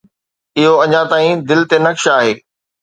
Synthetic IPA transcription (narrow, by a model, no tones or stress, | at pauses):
ɪɦoɐɲãt̪aːĩd̪ɪlt̪enɐkʃaːɦeː